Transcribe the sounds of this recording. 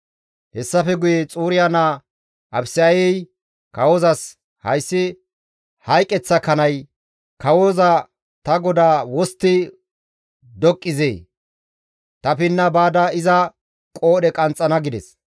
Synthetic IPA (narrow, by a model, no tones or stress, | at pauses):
hɛsːɐfɛɡʊjet͡sʼuːɾɪjana | ʔɐbsjɛj | kɐwoːzɐs | hɐ̰jsːɪ | hɐjkʼɛt͡sːɐkɐnɐj | kɐwoːzɐ | t̪ɐɡɔd̪aːwɔst̪ːɪ | d̪ɔkʼːɪzḛː | t̪ɐpɪnːɐbaːd̪aɪzɐ | kʼo̞ːɗɛkʼɐnt͡sʼːɐnɐɡɪd̪ɛs